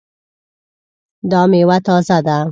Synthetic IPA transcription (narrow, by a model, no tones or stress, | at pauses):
d̪ɑmewat̪ɑːzad̪a